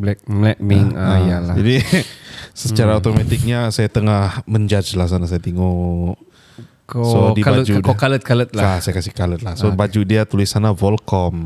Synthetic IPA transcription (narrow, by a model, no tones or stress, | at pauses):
blɛk̚blɛk̚miŋaajalad͡ʒadi | sət͡ʃaɾaot̪omat̪ɪk̚ɲasajat̪əŋahməɲd͡ʒad͡ʒlahs̬anas̬ajat̪iŋo | kosodibad͡ʒudokalət̪̚kalət̪̚laasajakasikalət̪̚lahsobad͡ʒudiat̪ulɪsanavɔlkɔm